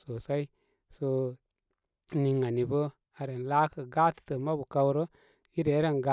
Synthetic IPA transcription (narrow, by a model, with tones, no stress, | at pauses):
so˨sa˦i˦ | so˨ | ni˨ŋa˨ni˨bə˦ | a˨ɾe˨n˨la˦kə˨ɡa˦tə̥˨tə˨ma˦bu˨ka˦wɾə˦ | i˦ɾe˨˦ɾa˦nɡa˦